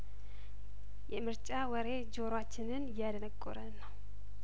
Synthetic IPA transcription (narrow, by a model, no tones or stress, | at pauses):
jɛmɨɾt͡ʃʼawəɾe̞d͡ʒo̞ɾwat͡ʃːɪnɨnjad̪ənəkʼːoɾənːəw